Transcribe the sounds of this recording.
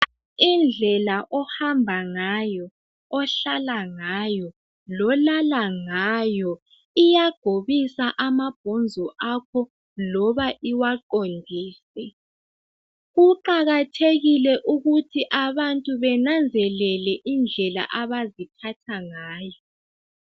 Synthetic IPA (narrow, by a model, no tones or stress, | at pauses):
ind͡ɮʱɛlaʔɔhambʱaŋajɔ | ɔɬalaŋajɔ | lɔlalaŋajɔ | ijaɡ̥ʱoβisaʔamab̥ʱɔnd͡zʱɔʔakʰɔ | lɔβaʔiwaǃondʱiːsɛ | ɣuǃaɣatʰeɣilɛʔuɣutʰiʔaβantʼuβɛnand͡zʱɛlɛlɛʔind͡ɮʱɛla̰ʔaβazitʰatʰaŋaːjɔ